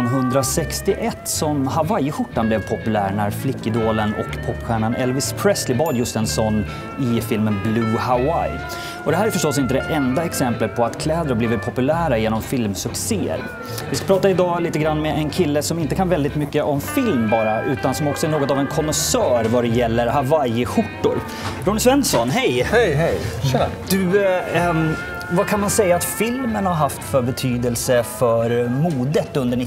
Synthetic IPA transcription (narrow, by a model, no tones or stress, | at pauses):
nɦɵnd̪ɾasɛkst̪ɪʔɛt̪ːsɔmhavajɧʊʈːanblɛvpʰɔpɵlæːɾɳæɾflɪkːɪd̪oːlənɔ̰kpʰɔpːɧæːɳanɛlvɪspʰɾɛslɪbɑːd̪jɵst̪ɛnsɔnː | ɪfɪlmənblʉːhawaj | ɔd̪ɛɦæːɾæɾfœʂʈɔsːɪnt̪əd̪ɛʔɛnd̪aɛksɛmplət̪̚pʰɔat̪kʰlɛːd̪ɾabliːvət̪̚pʰɔpɵlæːɾajeːnɔmfɪlmsɵkseːə̰ɾ | vɪskapʰɾɑːt̪aɪd̪ɑːliːt̪əɡɾanːmɛʔɛnkʰɪlːəsɔmɪnt̪əkʰanvɛld̪ɪt̪mʏkːəʔɔmfɪlmbɑːɾaʔʉ̟ːt̪ansɔmɔksɔɛɳoːɡɔt̪avɛnkʰɔmɔsœːɾvad̪ɛjɛlːəɾhavajɪɧʊʈːʊ̰ɾ | ɾʊnɪsvɛnːsɔnɦɛjhjjd̪̥ʉ | vakʰanmansɛjːaːt̪fɪlmənhaɾɦaft̪fœɾbɛt̪ʰyːd̪əlsəfœɾmuːd̪ət̪ɵnd̪əɳɪ